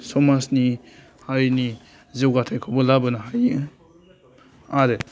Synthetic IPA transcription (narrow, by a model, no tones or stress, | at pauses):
sɔmasni | haɾini | zewɡatʰajkʰɔbɔlabɐnaɦaj | aɾe